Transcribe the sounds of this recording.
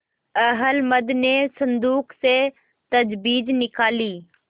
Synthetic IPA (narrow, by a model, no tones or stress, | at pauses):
əɦəlməd̪neːsənd̪uːkse | t̪əd͡ʒbiːd͡ʒnɪkaːliː